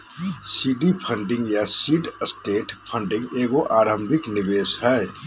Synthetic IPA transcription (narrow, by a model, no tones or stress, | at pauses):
siɖipʰəɳɖĩŋɡjasiɖəsʈeːʈpʰəɳɖĩŋɡeːɡoʔaɾəmbʱiknibeshəj